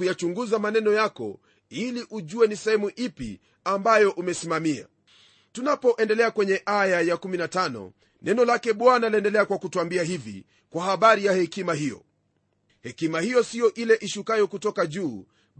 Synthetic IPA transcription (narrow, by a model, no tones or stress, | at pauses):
ujat͡ʃuŋɡuzamanɛnɔjakɔ̰ | iliʔuʄuwɛnisɛhɛmuʔipḭ | ambajɔʔumɛsimamia̰ | tunapɔʔɛndɛlɛakwɛɲɛʔajajakuminatanɔ̰ | nɛnɔlakɛɓwanaliɛndɛlɛakwakutuambiahivḭ | kwahaɓaɾijahɛkimaɦijɔ̰ | hɛkimahijɔsijɔʔilɛʔiʃukajɔkutɔkaʄuː